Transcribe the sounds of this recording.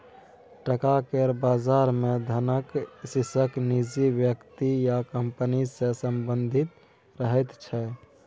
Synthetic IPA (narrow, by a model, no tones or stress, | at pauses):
ʈəkakeɾbazaɾmed̪ʱənəksisəknid͡ʒibjəkt̪ijakəmpənisẽsəmbənd̪ʱit̪ | ɾəɦət̪t͡ʃʰɛ